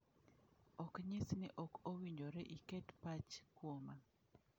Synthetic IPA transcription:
ɔkɲɪsnɪʔɔkowiɲd͡ʒoɾɛʔikɛtpat͡ʃkwoma

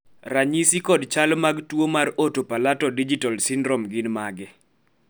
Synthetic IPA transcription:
raɲisikɔdt͡ʃalmaɡtwomarotopalatɔdid͡ʒitalsɪndɾɔmɡɪnmaɡɛ

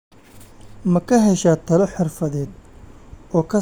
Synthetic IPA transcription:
mɐkʰɐɦɛʃaːt̪ʰɐlɔħɪrfɐðɛːd̪ | ɔːkʰɐ

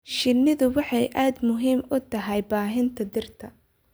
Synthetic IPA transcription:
ʃɪnːɪðʊwɑħɑjʔaːd̪mʊɦiːmʊt̪ʰɐɦɛjbaːɦɪnt̪ʰɐd̪ɪrt̪ʰɐ

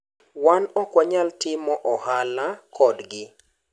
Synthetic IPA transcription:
wanɔkwaɲaltɪmɔʔɔhalakʰɔdɡɪ

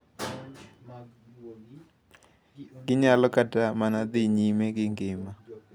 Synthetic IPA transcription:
ɡ̥ɪɲalɔkatamanad̪ɪɲimeɡɪŋɡɪma

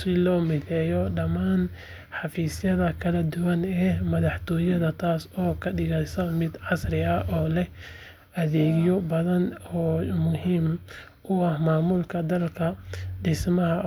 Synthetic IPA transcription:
sɪlɔːmɪθɛːjɔɖɐmaːn | ħɑfiːsjɐðɐkʰɐlɐd̪ʊwɐnɛːmɐðɑħt̪ʰɔːjɐðɐt̪ʰaːsɔːkʰɐɖɪɣɐjsɐmɪd̪ʕɑsrɪɐʔɔːlɛh | ʔɐðɛːɣjɔbɐðɐnɔːmʊɦiːm | ʔʊɐhmaːmʊlkʰɐd̪ɐlkʰɐɖɪsmɐɦɐ

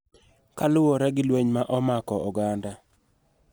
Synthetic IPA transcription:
kalʊwɔɾɛɡɪlweɲmaʔɔmakɔʔɔɡanda

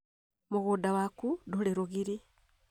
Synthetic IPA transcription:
muɣudawakudoleɾoɣiɾi

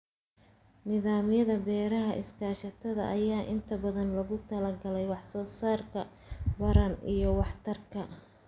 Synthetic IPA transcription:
nɪðaːmjɐðɐbɛːɾɐɦɐʔɪskʰaːʃɐt̪ʰɐðɐ̰ʔɐjaːʔɪnt̪ʰɐbɐðɐnlɐɣʊt̪ʰɐlɐɡɐlɛjwɑħsɔːsaːrkʰɐ | wɐɾɐnijɞwɑħt̪ʰɐrkʰɐ

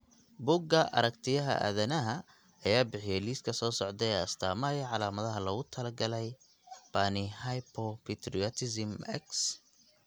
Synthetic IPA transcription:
bʊɡɐʔɐ̰ɾɐkt̪ʰɪjɐɦɐ̰ʔæ̰ːðɐnɐɦɐ | ɐjaːbɪħɪjɛjliːskʰɐsɔːsɔʕd̪ɛɛːɐst̪ʰaːmɐjɐʕɑlaːmɐðɐɦɐlɐɣʊt̪ʰɐlɐɡɐlɛj | b̥ɐnɪhajpʰɔpʰɛt̪ʰrɪɔt̪ʰɪsɪmɛ̰ks

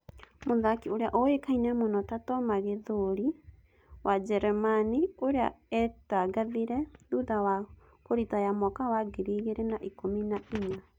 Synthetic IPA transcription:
moðakioɾeaʔɔekainɛmonɔtatɔmaɣeðoɾi | wad͡ʒɛɾɛmanioɾea̰ɛtaɡaðiɾɛðuðawa | koɾitajamɔkawaɡeɾiɣeɾɛnaʔikominaiɲa

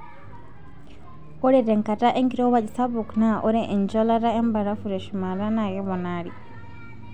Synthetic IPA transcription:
kɔɾɛdɛŋkataʔeŋkiɾɔwad͡ʒisabuknaʔɔɾɛʔɛnd͡ʒɔlaɾaɛmbaɾafuɾɛʃumaɾanaɡɛβɔnaːɾḭ

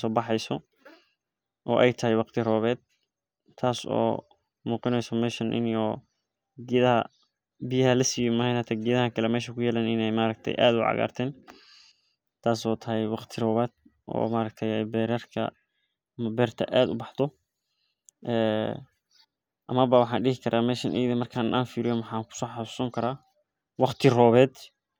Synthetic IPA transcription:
sɔːbɑħɛjsɔ | ʔɔ̰ːʔɛjt̪ʰɐɦɛjwɑqt̪ʰɪrɔːβɛːd̪̚ | t̪ʰaːsɔ̰ː | muːqɪnɛjsɔmɛːʃɐnʔɪ̰njɔː | ɡiðɐɦɐ | bɪjɐhɐlɐsijɔmɐhɛjnhɐt̪ʰɐɡiðɐɦɐkʰɐlɛmɛːʃɐkʰʊjɛːlɛːnɪnɛjmaːɾɐɡ̚t̪ʰɛ̰jʔa̰ːd̪ʊʕɑ̰ɣa̰ːrt̪ʰɛːn | t̪ʰaːsɔːt̪ʰɐɦɛjwɑqt̪ʰɪrɔːβaːd̪̥̚ʔɔ̰ːmaːɾɐk̚t̪ʰɛjɛjbɛːɾɐrkʰɐ̰ | ɐmɐbɛːrt̪ʰɐ̰ʔaːd̪ʊbɑħt̪ʰɔ | ʔɛː | ʔɐmɐβɐwɑħɑːnɖɪɦɪkʰɐɾʔaːmɛːʃɐnʔɛːðɪmɐrkʰaːʔaːnfiːɾɪjɔnwɑħɑːkʰʊ̥sɔːħɑsʊ̥sɔːŋkʰɐɾaː | wɑqt̪ʰɪrɔːβɛːd̪

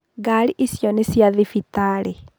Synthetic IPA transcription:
ɡaliʔisjonisjaðifitale

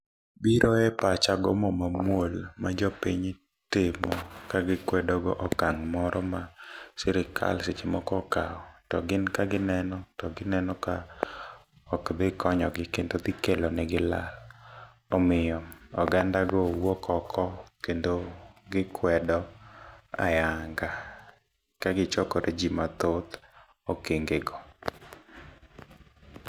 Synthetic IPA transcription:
biɾʔɔɛpat͡ʃaɡɔ̰mɔmamwolmad͡ʒɔpiɲ | tɪmɔkaɡɪkwɛdɔɡɔʔɔkaŋmɔɾɔmasɪɾɪkʰa̰lsɪt͡ʃemɔkɔkaɔtɔɡɪnkaɡɪnɛnɔtɔɡɪnɛnɔka | ɔkd̪ɪkɔɲɔɡɪkendod̪ɪkelonɛɡɪla̰l | ɔmɪjɔɔɡandaɡɔwɔkʰɔkʰɔkendoɡɪkʰwɛdɔ | a̰jaŋɡa | kaɡɪt͡ʃɔkɔɾʔɛd͡ʒimat̪ot̪ | okeŋɡeɡɔ

